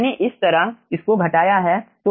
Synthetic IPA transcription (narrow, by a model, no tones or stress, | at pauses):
neʔɪst̪ɐɾaɦɪskoɡʱɐʈaːjaɦɛt̪o